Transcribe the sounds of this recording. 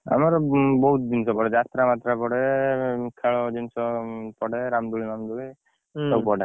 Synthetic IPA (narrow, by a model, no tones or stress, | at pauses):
a̰maɾɔbɔɦut̪̚d͡ʒinsɔpɔɽɛd͡ʒat̪ɾamat̪ɾapɔɽɛ | kʰaɭɔd͡ʒinsɔpɔɽɛɾamd̪uɭinamd̪uɭi | sɔpɔɽe